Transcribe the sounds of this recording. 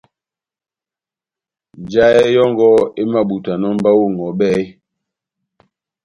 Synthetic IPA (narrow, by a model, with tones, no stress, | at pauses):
d͡ʒa˦ɛ˦jɔ˦ŋɡɔ˦e˦ma˦ɓu˨ta˨nɔ˦m˦ba˦wo˦˨ŋ˨ɡɔ˨ɓɛ˦